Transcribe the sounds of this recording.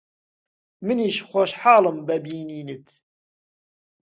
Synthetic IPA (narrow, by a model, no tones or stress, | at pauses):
mɨniːʃxʷoʃħaːlɨmbæbiːniːnɨt̪